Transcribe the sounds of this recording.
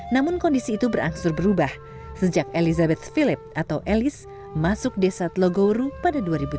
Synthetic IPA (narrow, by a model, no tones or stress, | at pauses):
namʊnkɔndisiːt̪ubəɾa̰ŋsʊrbəɾubah | səd͡ʒak̚elizabɛt̪̚filɪp̚ʔat̪awʔelɪs | masʊk̚desat̪loɡoɾupadaduaɾibu